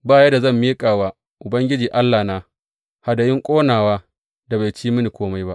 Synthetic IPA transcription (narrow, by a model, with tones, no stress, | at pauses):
baː˦jɐ˦da˨zɐ˦˨mːiː˦kʼaː˨waː˦ | ʔʊ˨bɐ˦ŋɡʲɪ˦d͡ʒiː˨ʔa˦lːaː˨naː˦ | ha˨da˨jɪ˦ŋkʷʼoː˦naː˨waː˦ | da˨ba˨jt͡ʃiː˦mɪ˦ni˨kʷoː˦ma˦jba˦ʔ